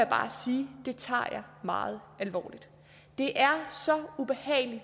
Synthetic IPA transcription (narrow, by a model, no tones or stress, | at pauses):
jab̥ɑ̈ːsiːd̥e̝t͡sʰɑ̰̈ːjɑ̈ɪmɑ̈ːð̞̩ˠælʋɒ̰ːlid̥ | d̥e̝ʔæɐsɒ̽ub̥e̝hɛ̰ːɪli